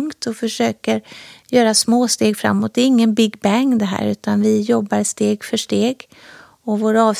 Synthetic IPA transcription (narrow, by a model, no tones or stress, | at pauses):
ŋt̪ʰɔfœʂøːkəɾjœːɾasmoːst̪eːɡfɾa̰mːɔt̪̚d̪ɛɾɪŋːənbɪɡbæŋd̪ɛɦæ̰ːɾʉ̟ːt̪ʰanvɪjɔbːaɾst̪eːɡfœʂʈeːɡ | ɔvoːɾaɑːvs